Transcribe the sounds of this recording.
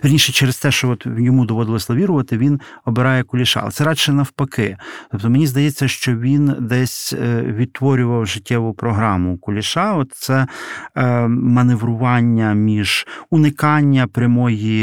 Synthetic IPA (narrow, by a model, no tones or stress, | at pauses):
peɾʲnʲiʃɛt͡ʃɛɾest̪ɛʃt͡ʃɔɔt̪jɔmud̪ɔʋɔd̪ɪlˠɔsʲlˠɐʋʲiɾʊʋɐt̪ɪʋʲin | ɔbeɾɑjɛkʊlʲɪʃɑ̰ːlˠɛ̰t̪sɛɾɑʃɛnɐwpɐkɪt̪ɔp̚t̪ɔmenʲizd̪ɐjɛt͡sʲːɐʃt͡ʃɔʋʲind̪ɛsʲʋʲid̪̚t̪ʋɔɾʲʊʋɐwʒɪtʲːɛʋʊpɾɔɦɾɑmʊkʊlʲɪʃɑɔt̪t̪sɛ | mɐneʋɾʊʋɑnʲːɐmʲiʒ̥ʊnɪkɑnʲːɐpɾʲɐmɔji